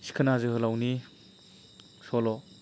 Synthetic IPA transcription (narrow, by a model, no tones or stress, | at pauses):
si̥kʰənazɯhɯlawni | sɔlɔ